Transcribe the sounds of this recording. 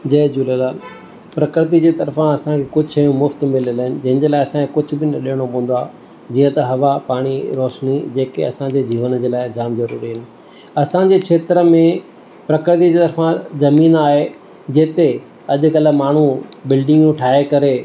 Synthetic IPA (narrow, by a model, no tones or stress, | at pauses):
d͡ʑɐːd͡ʑuːlelaːl | pɾɐkɾt̪̬id͡ʑeːt̪ɐɾfãɐsãkʰekʊd͡ʑʱjũmʊft̪mɪlɪləɦɪnɪ̆d͡ʑɐ̃ɦɪnd͡ʑeːlaːɪɐsãkʰekʊd͡ʑʱʊ̆bɪnɐɗiɦəɽ̃opɐ̃ɦə̃nd̪waː | d͡ʑĩːə̃t̪ɐɦɐʋapaːɽ̃iɾɔːʃnid͡ʑeːkḛɐ̰sãd͡ʑeːd͡ʑiːʋənəd͡ʑeːlaːɪd͡ʑaːmzɐɾuːɾiɦɪnɪ̆ | ɐsãd͡ʑeːkʰeːt̪ɪɾəmẽ | pɾɐkɾɪt̪̬id͡ʑeːt̪ɐɾfãzɐmiːnaːɦe | d͡ʑeːt̪e | ɐʄʊkɐl̆maːɳ̤ubɪlɖɪ̃ŋɡũʈʰaːɦekɐɾe